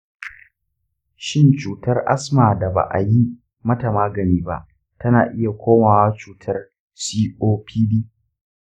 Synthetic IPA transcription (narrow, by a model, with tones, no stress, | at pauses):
ʃɪ˦nt͡ʃuː˨tɐ˦rʔa̰˦smaː˨da˨ba̰˨ʔa̰˨ji˦ | mɐ˦ta˨maː˦ɡɐ˨niː˦ba̰˦ʔ | tɐ˦naː˨ʔɪ˦ja˨kʷoː˦maː˨wa˦t͡ʃuː˨tʰɐ˦r | siː˦ʔoː˦pʰiː˦biː˦